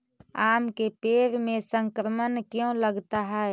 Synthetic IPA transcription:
aːmkepeːɾmẽsə̃ŋkɾəmənkjõləɡt̪aɦɛ

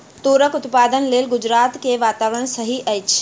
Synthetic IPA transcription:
t̪oɾəkʊt̪pad̪ənlelɡʊd͡ʒɾaːt̪keʋaːt̪aʋəɽ̃səɦiʔɛjt͡ʃʰ

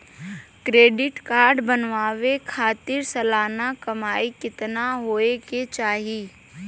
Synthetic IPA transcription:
kɾeːɖɪʈkaːɾɖbənʋaːʋekʰaːt̪ɪɾsɐlaːnakɐmaːikɪt̪naɦoːeket͡ʃaːɦiː

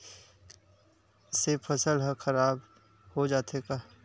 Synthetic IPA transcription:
sepʰəsəlɦəkʰəɾaːb | hod͡ʒaːt̪ekaː

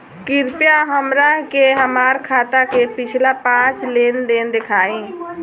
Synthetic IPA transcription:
kɪɾpjaɦəmɾakeɦəmaːɾkʰaːt̪akepɪt͡ʃʰlapãːt͡ʃleːnd̪eːnd̪ɪkʰaːĩː

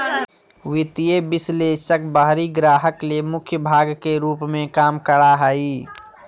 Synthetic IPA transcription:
wɪt̪ijebɪsleːʃək̚baɦɾiɡɾaːɦəklemʊkʰjəbʱaːɡkeɾuːpmẽkaːmkəɽaɦai

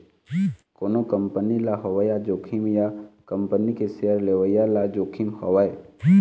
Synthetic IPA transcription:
koːnokəmpənilaɦoʋəjad͡ʒoːkʰimjakə̃mpənikeseəɾleʋəjalad͡ʒoːkʰimhɔʋae

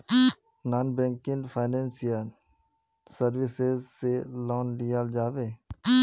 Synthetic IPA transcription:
naːnbɛ̃ːŋkɪ̃nfʰaːnẽːnsijan | səɾʋɪsezselɔːnlɪjaːld͡ʒaːʋeː

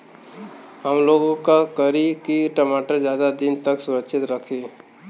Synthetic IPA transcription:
ɦəmloːɡõkakəɾikiʈɐmaːʈəɾd͡ʒjaːd̪ad̪ɪnt̪ɐksʊɾəkʃɪt̪ɾɐkʰe

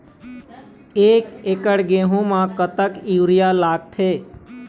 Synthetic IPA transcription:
eːkeːkəɽɡẽːɦõmãkət̪əkiwɾijalaːɡ̚t̪ʰeː

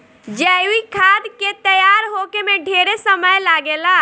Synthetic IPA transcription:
d͡ʒəikʰaːd̪ket̪əjaːɾɦokemẽɖʱeːɾesəməjlaːɡeːla

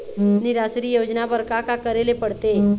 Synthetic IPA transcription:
nɪɾaːsɾijoːd͡ʒnabəɾkakakəɾelepəɽt̪e

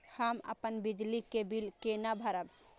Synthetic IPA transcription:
həmə̰pənbid͡ʒlikebilkenabʱəɾəb

